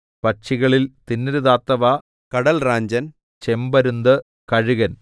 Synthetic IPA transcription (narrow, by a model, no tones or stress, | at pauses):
pɐʈt͡ɕiɣɐɭilt̪inːiɾuðaːt̪ːɐʋɐ | kɐɽɐlraːɲd͡ʑɐn | t͡ɕe̞mbɐɾund̪ɨ | kɐɻuɣɐn